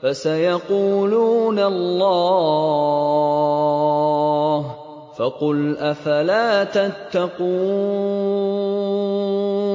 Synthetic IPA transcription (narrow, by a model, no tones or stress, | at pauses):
fasajaquːluːnalˤːɑː | h | fɑqʊlʔafalaːt̪at̪ːɑquː